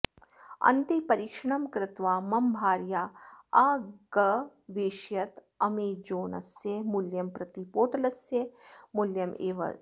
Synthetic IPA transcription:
ɐ̰nt̪ipɐɾiːkʂɐɳɐmkɾɪt̪ʋaːmɐmbʱaːɾjaːaːɡɐ | ʋeːʃjɐt̪ | ɐmeːd͡ʒoːnɐ̰sjemʊljɐmpɾɐt̪ipoːʈɐlɐsemʊljɐmḛːʋɐ̰

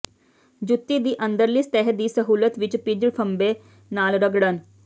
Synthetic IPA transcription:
d͡ʒʊt̪ːiːd̪iːʔə̃nd̪əɾliːst̪ɛɦəd̪iːsəɦuːlət̪ʋɪt͡ʃpɪd͡ʒəɽpʰəmbeː | naːlɾəɡɽən

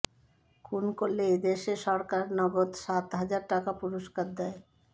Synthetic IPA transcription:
kʰunkolːeed̪eʃeʃɔɾkaɾnɔɡod̪ʃat̪ɦad͡ʑaɾʈakapuɾoʃkaɾd̪ɛe

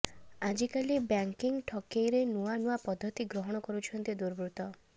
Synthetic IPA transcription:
ad͡ʒikalibjaŋkiŋʈʰɔkejɾenuwanuapɔd̪ʱːɔt̪iɡɾɔɦɔɽ̃ɔkɔɾut͡ʃʰɔnt̪id̪uɾbɾut̪ɔ

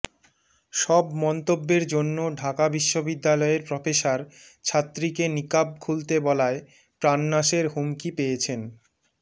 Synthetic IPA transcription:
ʃɔbmɔnt̪obːeɾd͡ʑonːoɖʱakabiʃːobid̪ːalɔeɾpɾɔfeʃaɾ | t͡ɕʰat̪ːɾikenikab̚kʰult̪ebɔlae | pɾanːaʃeɾɦumkipejet͡ɕʰen

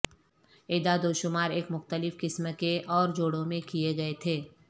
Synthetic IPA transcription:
eːd̪ad̪oːʃʊmaːɾeːkmʊxt̪əlɪfkɪsmkeʔɔːɾd͡ʒoːɽõmẽkijeɡɐet̪ʰeː

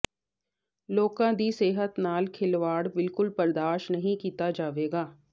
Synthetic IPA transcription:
loːkãːd̪iːseːɦət̪naːlkʰɪlʋaːɽbɪlkʊlpəɾd̪aːʃnəɦĩkiːt̪aːd͡ʒaːʋeːɡaː

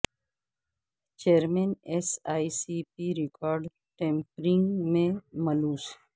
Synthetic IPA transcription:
t͡ʃeːɾmẽːnesaːisipiɾɪkaːɾɖ | ʈẽːmpɾɪ̃ŋɡmẽmɐluːs

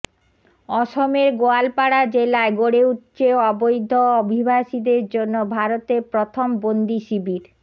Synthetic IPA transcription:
ɔʃomeɾɡoalpaɽad͡ʑelaeɡoɽeutt͡ɕeɔbojd̪ʱoobʱibʱaʃid̪eɾd͡ʑonːobʱaɾot̪eɾpɾot̪ʰombond̪iʃibiɾ

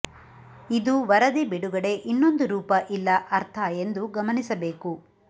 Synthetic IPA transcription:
id̪uʋɐɾɐd̪ibeɽuɡɐɽe̞ʔinːo̞nd̪uɾuːpɐʔilːɐʔɐɾt̪ʰɐe̞nd̪uɡɐmɐnisɐbe̞ːku

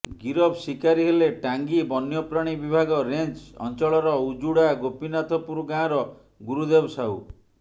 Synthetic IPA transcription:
ɡiɾɔbsikaɾiɦeleʈaŋɡibɔnjɔpɾaɽ̃ibibʱaɡɔɾent͡ʃɔ̰nt͡ʃɔɭɔɾɔud͡ʒuɽaɡopinat̪ʰɔpuɾɡãɾɔ | ɡuɾud̪ebɔsaɦṵ

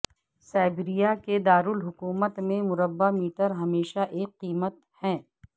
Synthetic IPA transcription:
saːbɾijaked̪aːɾʊlɦʊkuːmət̪mẽmʊɾəbːamiːʈəɾɦɐmeːʃaʔeːkqːiːmət̪ | hɛ̃ː

